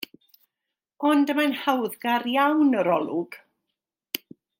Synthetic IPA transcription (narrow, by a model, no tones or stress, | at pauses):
ɔndəmanhawðɡaɾjawnəɾɔlˠʊɡ̥